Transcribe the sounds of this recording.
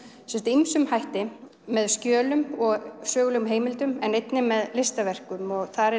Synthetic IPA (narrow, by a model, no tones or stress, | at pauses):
sɛmst̪ɪimsʏmhajht̪ɪ | mɛðscjœːlʏmɔɣsœːɣlʏmɦeːjmɪlt̪ʏmɛnejt̪nɪmɛðlɪst̪avɛr̥kʏmɔɣθaɾɛ